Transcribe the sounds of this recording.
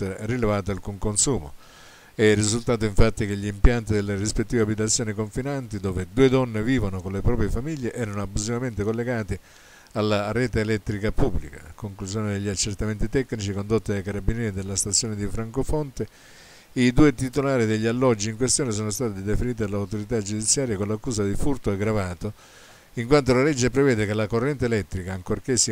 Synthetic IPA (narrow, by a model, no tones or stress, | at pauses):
rilevaːt̪oalkuŋkonsuːmo̰ | ɛrːizult̪aːt̪̬oiɱfat̪ːikeʎːiːmpjant̪id̪elːerispet̪ːiːveabit̪̬at̪sːjoːnikoɱfinant̪id̪oːved̪uːed̪ɔnːeviːvonokonlepɾɔːpɾjefamiʎːeʔɛːɾanoabːuzivament̪ekolːeɡaːt̪i | alːaɾɛːt̪eːlɛt̪ːɾikapubːlika̰koŋkluz̬joːned̪eʎːiat͡ʃːert̪ament̪̬it̪ɛkːnit͡ʃikond̪ot̪ːiajkaɾabinjɛːɾid̪elːast̪at̪sːjoːned̪ifɾaŋkofont̪e | id̪uːet̪it̪olaːɾid̪eʎːialːɔd͡ʒːiiŋkwest̪joːnes̬oːnost̪aːt̪iid̪efiniːt̪̬id̪alawt̪oɾit̪ad͡ʒud̪it̪sːjaːɾjakonlakːuːsad̪ifurt̪oɛɡɾavaːt̪o | iŋkwant̪olalɛd͡ʒːepɾevɛːd̪ekelakorːɛnt̪eelɛt̪ːɾikaːŋkorkesːi